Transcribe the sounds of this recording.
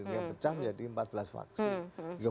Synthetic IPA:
apət͡ʃahməɲd͡ʒadiəmpat̪̚bəlasfa̰ksid͡ʒiɡa

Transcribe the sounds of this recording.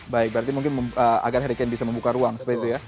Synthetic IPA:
baɪk̚bəɾart̪̬imuŋkɪnməəa̰ɡarɦaɾikanbisaməmbukaɾuaŋsəp̪it̪uja

